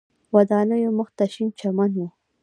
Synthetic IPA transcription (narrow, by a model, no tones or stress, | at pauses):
wad̪ɑnəjomʊxt̪aʃint͡ʃamanwu